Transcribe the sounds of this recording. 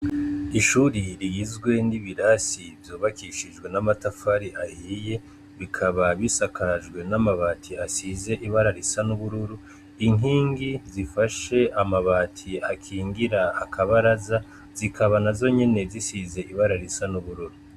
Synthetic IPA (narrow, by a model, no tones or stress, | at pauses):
iʃuɾiɾiizɡwe̞niβiɾasivjo̞ːβakiʃiʒɡwe̞namatafaɾiʔahiːje̞ | βikʰaβaβisakʰaʒɡwe̞namaβaːtʰiasize̞ʔiβaɾaɾisanuβuɾuɾu | iŋiːŋɡizifaʃe̞ʔamaβaːtʰiakʰiːŋɡiɾaːkʰaβaɾaza | z̥ikʰaβanazo̞ɲe̞ne̞zisize̞ʔiβaɾaɾisanuβuɾuɾu